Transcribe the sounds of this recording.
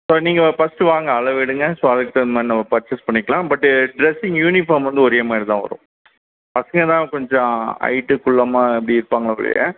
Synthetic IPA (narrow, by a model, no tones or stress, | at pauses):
soːniːŋɡɐfɐsʈɯʋaːŋɡɐːlɐʋɪɽɯŋɡɐsoːɐðɯkːɯt̪ːɐmaːɾnɐmːɐpɐɾt͡ʃːɪspɐɳːɪkːɐɭãːbɐʈːɯɖɾɛsɪŋjuːnɪfɐːɾmʋɐnd̪ɯɔɾeːmaːɾit̪ãːʋɐ̰ɾʊ̰̃ | pɐsɐŋɡɐt̪ãːkɔɲd͡ʒɔ̃ɐ̰ɪʈːɯkʊɭːɐmaːɛpːɽiɪɾɯpːaːŋɡɐɭɐɐ̰ɭɐ̰jɐ̰